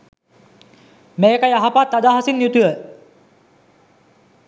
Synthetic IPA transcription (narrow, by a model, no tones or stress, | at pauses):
meːkajaɦapat̪ːad̪aːɦɐsinːjut̪ujə